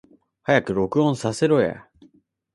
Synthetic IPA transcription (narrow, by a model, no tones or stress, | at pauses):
hajakɯ̟ɾo̞kɯ̟õ̞ɰ̃sase̞ɾo̞ja̰